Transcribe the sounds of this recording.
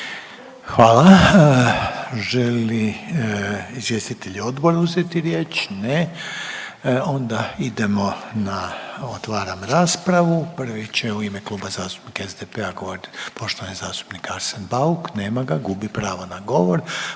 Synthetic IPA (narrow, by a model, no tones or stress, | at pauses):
xʋaːla | ʒeli | izʋjeːst̪it̪eʎuo̞d̪bo̞ɾuzjet̪iɾje̞ːt͡ʃne | o̞nd̪aid̪emo̞naot̪ʋaːɾamɾaːspɾaʋupr̩ʋit͡ɕeuimeklˠuːbazaːst̪u̥pnikezd̪epeaɡo̞ʋoɾit̪po̞ʃt̪o̞ʋanizaːst̪u̥pnikaɾsanbaukne̞ːmaɡaɡubipɾaːʋonaɡo̞ʋo̞ɾ